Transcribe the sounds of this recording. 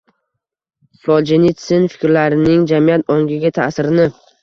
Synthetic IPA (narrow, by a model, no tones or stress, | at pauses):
sɒd͡ʒɪnit̪sɪnfɪ̥kʲɾlaɾɪnɪŋd͡ʒamijat̪ɒŋɡʲɪɡʲat̪ʰasɪɾɪnɪ